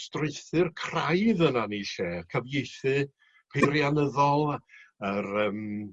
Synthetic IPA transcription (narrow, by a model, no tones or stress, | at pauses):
strɪɨθɨrkʰrajðənaniːʃeːkʰəvjejθɨ | pʰerjanəðɔlˠəɾəːm